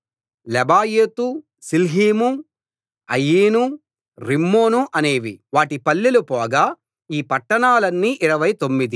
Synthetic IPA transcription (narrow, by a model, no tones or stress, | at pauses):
lɛbaːjeːt̪u | silɦiːmu | ɐ̰jːiːnu | ɾimːo̞ːnuʔɐne̞ːʋiʋaːʈipɐlːilupɔːɡaː | iːpɐʈːɐɳaːlɐnːiʔiɾɐʋɐjt̪o̞mːid̪i